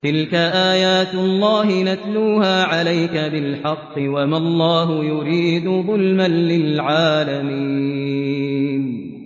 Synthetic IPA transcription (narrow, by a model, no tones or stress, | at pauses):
t̪ɪlkaʔaːjaːt̪lˤːɑːɦɪnat̪luːhaːʕalajkabɪlħɑqːɨwamalˤːɑːɦʊjʊɾiːd̪ʊðˤʊlmanːɪlʕaːlami | n